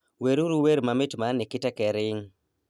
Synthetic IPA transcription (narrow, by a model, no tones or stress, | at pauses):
weɾuɾuweɾmamɪtmanɪkɪtɛkɛɾɪŋ